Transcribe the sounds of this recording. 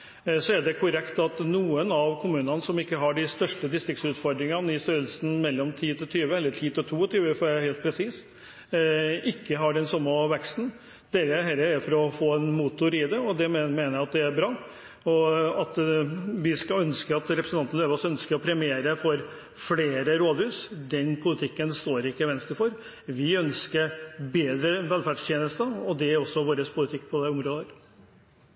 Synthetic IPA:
sɔæɖɛkʰʊɾɛkt̪ɑt̪nuːənɑʋkʰʊmʉːnənəsɔmɪkːəɦɑɖɪst̪œʂʈəd̪ɪst̪ɾɪkt̪sʉːt̪fɔɾɖ̪ɾɪŋɑnəɪst̪øːɾəlsnmɛlːɔmt̪ʰiːt̪ʰɪt̪ʰyːʋəɛlːəʈʰiːt̪ʰɪt̪ʰuːɔt̪ʰyːʋəfɔæheːlt̪̚pʰɾɛsiːs | ɪkːəɦɑɖɛnsɔmːəʋɛkst̪n̩ | d̪̥eːɾəɦɛlːəɾæfɔɾɔfoːɛnmuːt̪ʊɾɪd̪ɛɔd̪ɛmemeːnəjæɪɑt̪̚d̪ɛæɾbɾɑː | ɔɑt̪ʋɪskɑœnskəɾɑt̪ɾɛpɾəsnɑnt̪nəløːʋəɔsœnskəɾɔpʰɾɛmɪeːɾəfɔɾ | fleːɾəɾoːd̪hʉːsd̪ɛnpʰʊlɪt̪ʰɪkːənst̪oːɾɪkːəʋɛnst̪əfɔɾ | ʋɪœnskəɾbeːd̪ɾəʋɛlfæɖʂt̪ʰjeːnəst̪əɔd̪ɛæɾɔsːɔʋoːɾəspʰʊlɪt̪ʰɪkːpʰɔd̪ɛʊmɾoːd̪əɾ

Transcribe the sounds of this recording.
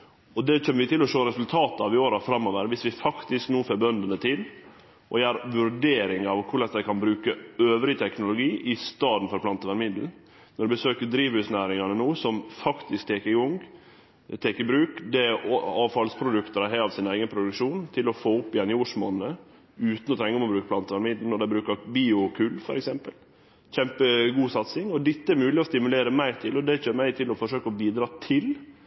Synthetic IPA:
ɔd̪ɛc͡çʰɛmːəʋɪt̪ʰɪlɔʂoːɾɛsʉlt̪ʰɑːt̪əɑʋɪoːɾɑfɾɑmːoːʋəɾʋɪsʋɪfɑkt̪ɪsknuːfeːbœnd̪ənət̪ʰɪl | ʔɔ̰jæːɾʋʉɾɖeːɾɪŋɑʋkʰʊɭɛnsd̪æɪkʰɑnbɾʉːkəøːʋɾɪt̪ʰɛknʊlʊɡiːʔɪst̪ɑːd̪n̩fɔɾplɑnt̪əʋæɾmɪd̪l̩ | nɔɾɖ̪ɛbəsøːkəd̪ɾiːʋhʉːsnæːɾɪŋɑnənuːsɔmfɑkt̪ɪskt̪ʰeːkəɡɔŋ | t̪ʰeːkəbɾʉːkd̪ɛɑːʋfɑlspʰɾʊd̪ʉkt̪əɾæɦɛɑʋsɪnæɪɡənpʰɾʊd̪ʉkʂuːnt̪ʰɪlɔfoːʊpːɪjɛnjuːʂmo̰ːnnə | ʉːt̪n̩ɔt̪ʰɾɛŋːəɔmɔbɾʉːkəpʰlɑnt̪əʋæɾmɪd̪l̩nɔɖ̪æɪbɾʉːkəɾbiːʊkʰʉlfɔɾɛksɛmpəl | çɛmpəɡuːsɑt̪sɪŋɔd̪ɪt̪ːəæɾmʉːlɪɔst̪ɪmʉleːɾəmæɪt̪ʰɪlɔd̪ɛçøːɾmæɪt̪ʰɪlɔfɔʂøːkəɔbiːd̪ɾɑːt̪ʰɪl

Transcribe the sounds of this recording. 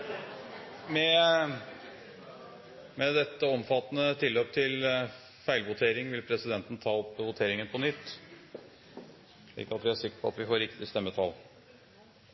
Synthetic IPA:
mɛ | mɛd̪ɛt̪ːəɔmfɑt̪ːnət̪ʰɪlːøːp̚t̪ʰɪl | fæɪlʋʊt̪ʰeːɾɪŋʋɪlpʰɾɛsɪd̪ɛnt̪n̩t̪ʰɑːɔpːʋʊt̪ʰeːɾɪŋənpʰɔnʏt̪ː | ʂɭḭːkɑt̪ʋɪæʂɪkːə̥ɾpʰɔɑ̰t̪ʋɪfoːɾɪkt̪ɪst̪ɛmːət̪ʰɑl

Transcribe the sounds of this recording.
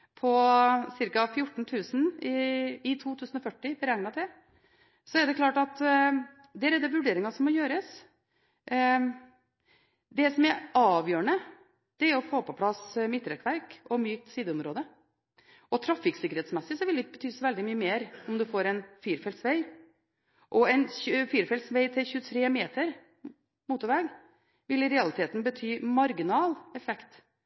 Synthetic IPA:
pʰɔsɪɾkɑfjʊʈːɳ̩t̪ʰʉːsən̩ɪɪt̪ʰuːt̪ʰʉːsən̩ɔfœʈːɪbəɾɛŋnɑt̪ʰɛ | sɔɛd̪ɛkʰlɑːʈɑt̪ | d̪æːɾɛd̪ɛʋʉɖeːɾɪŋɑsɔmːɔjøːɾəs | d̪ɛsɔmæɾɑːʋjøːɾəɳə | d̪̥ɛæɾɔfoːpʰɔpʰlɑsmɪt̪ːɾɛkːʋæɾkɔmyːk̚t̪siːd̪əʊmɾoːd̪ə | ɔt̪ʰɾɑfɪksɪkəɾhɛːt̪smɛsːɪsɔʋɪld̪ɪbət̪ʰyːsɔʋɛld̪ɪmyːəmeːɾɔmd̪ʉfoːɾɛɪnfyːɾfɛlsʋɛɪ | ʔɔɛɪnçʉfiːɾfɛlt̪sʋɛɪt̪ʰɪlçʉːət̪ʰɾeːmeːt̪əɾ | muːt̪ʊɾʋɛɡ | ʋɪlɪɾɛɑlɪt̪ʰeːt̪n̩bət̪ʰyːmɑɾɡɪnɑːlɛfɛkt̪

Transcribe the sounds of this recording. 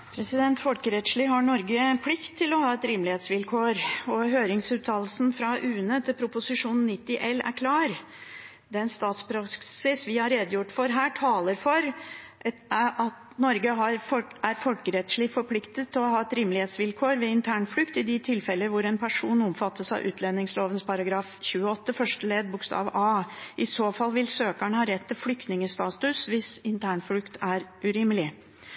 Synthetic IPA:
pʰɾɛsɪd̪ɛnt̪fɔlkəɾɛt̪ʂɭiːɦɑɳɔɾɡəɛnpʰlɪkt̪ʰːɪlɔhɑːɛt̪ɾɪmlɪheːt̪sʋɪlkʰoːɾɔɦøːɾɪŋsʉːt̪ʰɑːll̩sn̩fɾɑʔʉːnət̪ʰɪlpʰɾʊpʊsɪʂuːnn̩nɪt̪ːɪʔɛlːæ̰ɾkʰlɑːɾ | d̪ɛnst̪ɑːt̪spʰɾɑksɪsʋɪhɑɾeːd̪əjʊʈːfɔɾɦæːʈʰɑːləɾfɔɾ | ɑt̪ | nɔɾɡəɦɑɾfɔæɾfɔlkəɾɛt̪ʂɭɪfɔɾpʰlɪkt̪ət̪ʰːɪlɔɦɑːɛt̪ɾimlɪheːt̪sʋɪlkʰoːɾʋɛɪnt̪ʰæːɳflʉkt̪ɪd̪ɪt̪ʰɪlfɛlːəʋʊɾɛnpʰæʂuːnɔmfɑt̪ːəsɑ̰ɪʔʉ̰ːt̪ʰlɛnːɪŋsloːʋənspʰɑɾɑɡɾɑːfçʉːəɔt̪ːəfœʂʈəleːd̪̚bʊkst̪ɑ̰ːʋə̰ʔɑːʔɪsoːfɑlːʋɪlsøːkəɳəhɑɾɛt̪ʰːɪlflʏkt̪nɪŋəst̪ɑːt̪ʉsʋɪsɪnt̪ʰæːɳflʉkt̪ʰæɾʉɾɪməlɪ

